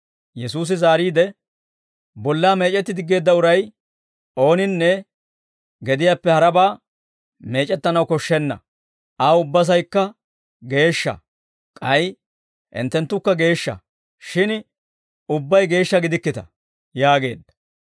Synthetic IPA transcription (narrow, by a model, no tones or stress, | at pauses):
jɛsuːs̬ɪzaːɾiːd̪ɛ | bɔlːaːme̞ːt͡ʃʼɛt̪ːɪd̪ɪɡːe̞ːd̪ːɐʊɾɐj | ʔo̞ːnɪnːɛ | ɡɛd̪ɪjaːpːɛhɐɾɐbaː | me̞ːt͡ʃʼɛt̪ːɐnɐwkɔʃːɛnːɐ̰ | ʔaːʊbːɐs̬ɐjkːɐ | ɡe̞ːʃːɐ̰ | kʼɐj | ʔɪ̰nt̪ːɛnt̪ːʊkːɐɡe̞ːʃːɐ̰ | ʃɪn | ʊbːɐjɡe̞ːʃːɐɡɪd̪ɪkːɪt̪ɐ̥ | jaːɡe̞̰ːd̪ːɐ̥